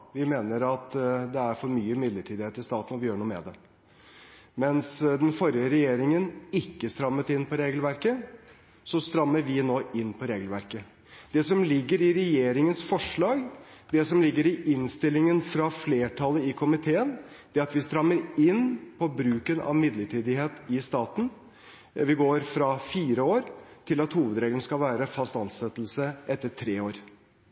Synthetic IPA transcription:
ʋɪmeːnəɾɑt̪d̪ɛæɾfɔɾmyːəmɪd̪ləʈʰiːd̪ɪheːt̪ɪst̪ɑːt̪n̩ɔʋɪjøːɾɳuːəmɛ̰d̪ɛ | mɛnsd̪ɛnfɔɾjəɾɛjeːɾɪŋənɪkːəst̪ɾɑmːət̪ɪnːpɔɾeːɡlʋæɾkə | sɔst̪ɾɑmːəɾʋɪnoːʔɪnːpʰɔɾeːɡlʋæɾkə | d̪̥ɛsɔmlɪɡːəɾɪɾɛjeːɾɪŋənsfɔʂɭɑːɡd̪ɛsɔmlɪɡːəɾɪʔɪnst̪ɪlːɪŋənfɾɑfleːʈʰɑləɪkʰʊmɪt̪ʰeːən | d̪̥ɛæɾɑt̪ʋɪst̪ɾɑmːəɾɪnːpʰɔbɾʉːkənɑ̰ʋmɪd̪ləʈʰiːd̪ɪheːt̪ɪst̪ɑːt̪n̩ | ʋɪɡoːɾfɾɑfiːɾəoːɾt̪ʰɪlɑt̪huːʋəd̪ɾeːɡlənəskɑlʋæːɾəfɑst̪ɑnsɛt̪ːl̩səʔɛt̪ːəʈʰɾeːoːɾ

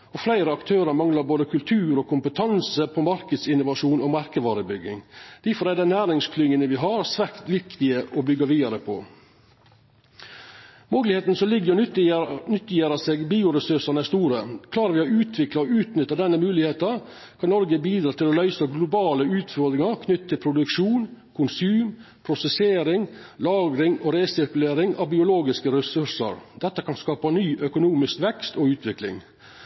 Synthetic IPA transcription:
ɔflæɪɾəɑkt̪ʰøːɾəɾmɑŋlɑɾboːd̪əkʰʉlt̪ʰʉːɾɔkʰʊmpət̪ʰɑnsəpʰɔmɑɾkəd̪sɪnʊʋɑʂuːnɔmɑɾkəʋɑːɾəbʏɡːɪ̰ŋd̪̥æfɔɾæd̪ɛɪnæːɾɪŋskʰlʏŋːənəʋɪɦɑɾsʋæɾkt̪ʋɪkt̪ɪəʔɔbʏɡːɑʋiːd̪ɑɾəpʰɔ̰ | moːɡlɪheːt̪nəsɔlɪɡːəɾ | nʏt̪ːɪjeːɾɑseːɡbiːʊɾɛsʉɾʂɑnæst̪uːɾəkʰlɑːɾəʋɪɔʉːt̪ʰʋɪklɑɔʉːt̪nʏt̪ːəd̪ɛnːəmʉːlɪheːt̪ɑ | kʰɑnɔɾɡəbiːd̪ɾɑːt̪ʰɪlɔlœʏsəɡlʊbɑːləʉːt̪fɔɾd̪ɾɪŋɑɾkʰnʏt̪ːt̪ʰːɪlpʰɾʊd̪ʉkʂuːnkʰʊnsʉːm | pʰɾʊsɛseːɾɪŋ | lɑːɡɾɪŋoːɾeːsɪɾkʉleːɾɪŋɑ̰ʋbɪʊloːɡɪskəɾɛsʉʂə̰ɾd̪ɛt̪ːəkʰɑnskɑːpɑnyːʔœkʊnuːmɪskʋɛkst̪oʉːt̪ʰʋɪklɪ̰ŋ

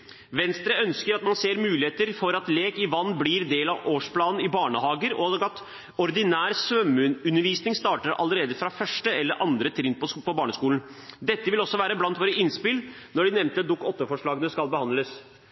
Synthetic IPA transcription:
ʋɛnst̪ɾəœnskəɾɑt̪mɑnseːɾmʉːlɪheːt̪əɾfɔɾɑt̪leːkɪʋɑnːbliɾd̪eːlɑʋoːʂplɑːnn̩ɪbɑːɳəhɑːɡəɾɔɡɑt̪ | ɔɾd̪ɪnæːɾsʋœmʉʉnːəɾʋiːsnɪŋst̪ɑːʈəɾɑ̰lːəɾeːd̪əfɾɑfœʂʈəɛlːəɾʔɑnd̪ɾət̪ʰɾɪnt̪pɔpʰɔbɑːɳəskuːln̩d̪ɛt̪ːəʋɪlɔsːɔʋæːɾəblɑnt̪ʋoːɾəɪnspɪlnɔɖɪnɛʋnt̪əd̪ʊkːɔt̪ːəfɔʂɭɑːɡənəskɑlbəhɑnləs

